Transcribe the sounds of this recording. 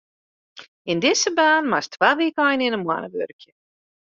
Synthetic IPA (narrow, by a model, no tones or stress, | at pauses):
ɪndɪsəbaːnmastʰʋaːʋikəɔjnɪnənmwa̰nəʋø̰rkjə